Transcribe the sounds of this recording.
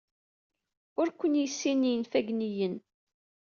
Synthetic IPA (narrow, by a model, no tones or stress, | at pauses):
ʊɾkʷənjisːinːinfæɡnijən